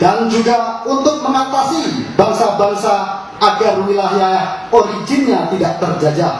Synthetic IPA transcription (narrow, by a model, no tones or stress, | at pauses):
d̥and͡ʒuɡaunt̪ʊk̚məŋat̪asib̥aŋsabaŋsaː | ɡaruŋilaɦjaahoɾid͡ʒɪnɲat̪idaʔt̪ərd͡ʒad͡ʒa